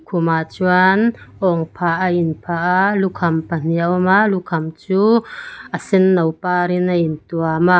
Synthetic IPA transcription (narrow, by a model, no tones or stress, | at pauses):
kʰumat͡suanʔɔŋpʰaʔainpʰaʔlukʰɐmpan̥iawmalukʰɐmt͡suːʔasɪnːɐwpaɾinaint̪uama